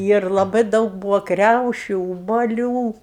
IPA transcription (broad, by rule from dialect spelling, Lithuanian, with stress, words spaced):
ˈiːr lˠɐˈbɐɪ ˈdɐʊk ˈbuːʋɐ ˈkrʲɛʊʃʲʊ ʊbɐˈlʲuː